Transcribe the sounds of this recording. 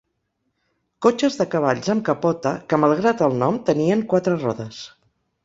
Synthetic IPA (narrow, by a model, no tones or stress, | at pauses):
kot͡ʃəzðəkəβ̞aʎzəmkəpɔt̪əkəməlˠɣ̞ɾat̪əlˠnɔmt̪əniəŋkwat̪ɾərɔðəs